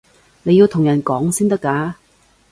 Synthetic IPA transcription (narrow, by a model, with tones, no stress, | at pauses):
ne˨˧ji˧wt̪ʰʊ˨˩ŋjɐ˨˩nkɔː˨˥ŋsiː˥nt̪ɐ˥kːaː˨˥